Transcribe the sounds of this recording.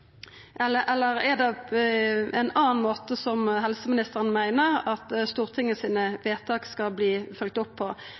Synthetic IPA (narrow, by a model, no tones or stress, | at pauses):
ʔɛləʔɛlːəʁɛd̪ɛ | ɛɪnɑːnmoːt̪əsɔmɦɛlsəmɪnɪst̪əʁənəmæɪnəʁɑt̪st̪uːʁt̪ʰɪŋːəsiːnəʋeːt̪ʰɑkskɑlbliːfœlk̚t̪ʊpʰːɔ